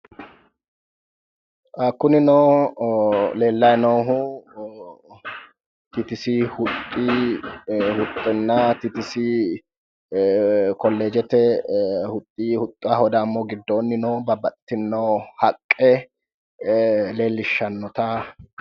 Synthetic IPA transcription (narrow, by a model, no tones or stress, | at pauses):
ʔɐkːʊnɪnɔː | le̞ːlːɐjnoɦʊ | t̪ɪt̪ɪsɪhʊt̪ʼːi | hʊt̪ʼːɪnːɐt̪ɪt̪ɪsɪ | kɔlːeːd͡ʒɛt̪ɛhʊt̪ʼːiːhʊt̪ʼːʊahɔd̪ɐːmːoɡɪd̪ːoːnːɪnoːbɐbɐt̪ːɪnːɐwhɐkʼːɛ | le̞ːlːɪʃːɐnːɔt̪a